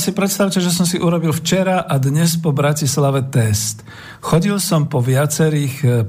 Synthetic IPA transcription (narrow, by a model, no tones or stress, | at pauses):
sipɾɛt̪st̪aʊcɛʒɛs̬ɔmsiʔuɾɔbilft͡ʃɛɾaʔad̪ɲɛspɔbɾacislaʋɛt̪ɛst̪ | xɔɟilsɔmpɔʋɪat͡sɛɾiːx